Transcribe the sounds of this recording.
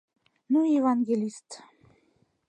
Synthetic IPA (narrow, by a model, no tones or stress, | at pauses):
nuevɑnɡelʲist̪